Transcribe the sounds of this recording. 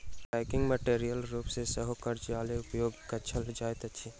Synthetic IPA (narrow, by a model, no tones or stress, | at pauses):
ʈaɪkɪ̃ŋɡməʈeːɾijəlɾuːpsesəɦokɐɾd͡ʒaːleʊpjoːɡkɐt͡ʃʰəld͡ʒaːjt̪ɐtːʃʰi